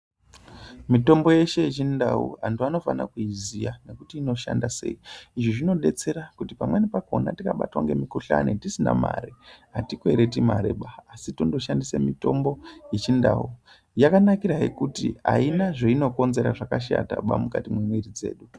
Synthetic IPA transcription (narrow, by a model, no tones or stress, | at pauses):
mito̞mbo̞je̞ʃe̞jit͡ʃindaṵɦantuano̞fana̰kuizijane̞kutiːno̞ʃa̰ndase̞̰iiʐoʐino̞ɗe̞t͡se̞ɾakutipamwenipako̞natikaɓa̰twaŋɡe̞mikuɬa̰netisina̰ma̰ɾiɦatikoeɾet̬imaɾeɓaːsitondo̞ʃandisemito̞mbo̞jet͡ʃinda̰u | jakanakiɾaɦḛkutḭa̰inaʐeino̞ko̞nze̞ɾaʐakaʃa̰ta̰ɓa̰mukatimwemwiɾid͡ze̞ːɗu